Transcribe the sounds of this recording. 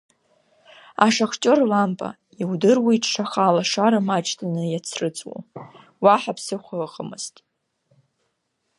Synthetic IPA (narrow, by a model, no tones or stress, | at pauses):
aʂaχt͡ʃʼorlampʼa̰ | iwdɨrwiʈ͡ʂʰʂaχalaʂaɾamat͡ʃʰʼtʰanɨjat͡sʰrɨt͡sʼwo̰ | waħapʰsɨχʷəχʼəmɨztʼ